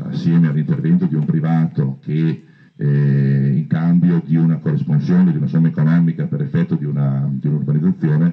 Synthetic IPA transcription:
a̰sːjɛːmealːint̪ervɛnt̪od̪iumpɾivaːt̪oke | iŋkambjod̪iunakorːisponsjoːned̪iunasomːaekonɔːmikapeɾefːɛt̪ːod̪iunad̪iunurbanid̪ːat̪sːjoːne

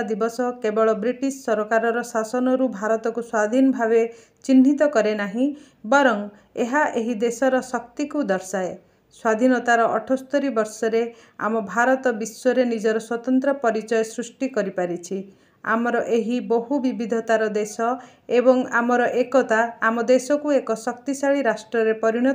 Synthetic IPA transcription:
d̪ibɔsɔkebɔɭɔbɾiʈisːɔɾɔkaɾɔɾɔsasɔnɔɾubʱaɾɔt̪ɔkuswad̪ʱinɔbʱaβe | t͡ʃinːit̪ɔkɔɾenaɦĩ | bɔɾɔŋ | eɦaʔeɦid̪esɔɾɔsɔkt̪ikud̪ɔɾsae | swad̪ʱinɔt̪aɾɔʔɔʈʰɔst̪ɔɾibɔɾsɔɾe | a̰mɔbʱaɾɔt̪ɔbiswɔɾenid͡ʒɔɾɔswɔt̪ɔnt̪ɾɔpɔɾit͡ʃɔjɔsɾusʈikɔɾipaɾit͡ʃʰi | a̰mɔɾɔʔeɦiboɦubibʱid̪ʱɔt̪aɾɔd̪esɔ | ebɔŋa̰mɔɾɔʔekɔt̪aːmɔd̪esɔkuekɔsɔkt̪isaɭiɾasʈɾɔɾepɔɾiɽ̃ɔ

